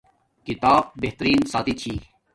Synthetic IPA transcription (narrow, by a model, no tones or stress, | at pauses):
kit̪aːb̚beht̪ɾiːnsaːt̪it͡ɕʰiː